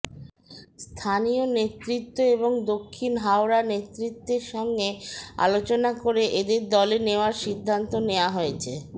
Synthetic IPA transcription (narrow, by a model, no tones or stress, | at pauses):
st̪ʰanionet̪ɾit̪ːoeboŋd̪okʰːinɦaoɾanet̪ɾit̪ːeɾʃɔŋɡea̰lot͡ɕonakoɾeʔed̪eɾd̪ɔleneoaɾʃid̪ʱːant̪oneoaɦojet͡ɕʰe